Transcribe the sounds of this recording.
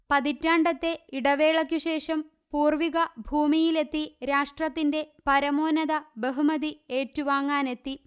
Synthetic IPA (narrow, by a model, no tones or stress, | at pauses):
pɐðitːaːɳɖɐt̪ːe̞iɽɐʋe̞ːɭɐkʲːuɕe̞ːʂɐm | puːrʋiɣɐbʱuːmijile̞t̪ːiɾaːʂʈrɐt̪ːinde̞pɐɾɐmoːnɐðɐbeɦumɐðie̞ːtːuʋaːŋːaːne̞t̪ːi